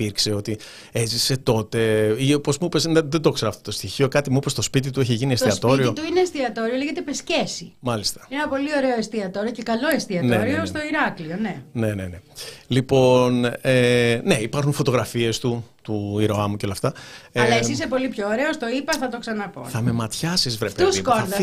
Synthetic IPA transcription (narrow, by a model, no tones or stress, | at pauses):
iɾkse̞o̞t̪i | e̞zise̞t̪o̞t̪e̞iopo̞zmuupeseðed̪o̞kse̞ɾɐːft̪ot̪ost̪içio̞kɐt̪imuipe̞st̪o̞spit̪it̪ueçeʝiniest̪iɐst̪o̞ɾɾiot̪uineest̪iɐt̪o̞ɾioleʝet̪epesce̞simɐlist̪ɐ̥inenɐpo̞lio̞ɾe̞oest̪iɐt̪o̞ɾiocekɐlo̞est̪iɐneoɾiost̪o̞iɾɐklio̞ne̞ne̞nenelipo̞neneipɐɾxunfo̞t̪o̞ɣɾɐfie̞st̪ut̪uiɾoɐmuceo̞lɐft̪ɐɐlɐesis̬epo̞lipçoːɾe̞ost̪o̞ipɐθɐt̪oksɐnɐpo̰θɐme̞mɐt̪çɐsizvɾepeuskoðɐ